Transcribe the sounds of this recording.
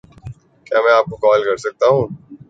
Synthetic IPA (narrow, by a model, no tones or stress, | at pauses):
kjaːmɛ̃ːaːp̚kokɔːlkɐɾsɐk̚t̪aɦũː